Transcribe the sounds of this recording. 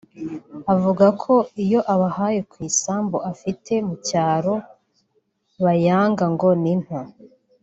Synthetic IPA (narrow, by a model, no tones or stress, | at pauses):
avuɡakʰo̞ijo̞ʔaβahajekwiːsaːmboʔafitʰe̞mucaːɾo̞ | βajaːŋɡaŋɡo̞nin̥ha